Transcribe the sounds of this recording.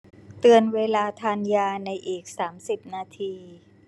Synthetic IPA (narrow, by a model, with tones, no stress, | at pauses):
t̪ɯ˧ənweː˧laː˧t̪ʰaː˧njaː˧na˧jʔiː˨˩k̚saː˩˦msi˨˩p̚naː˧t̪ʰiː˧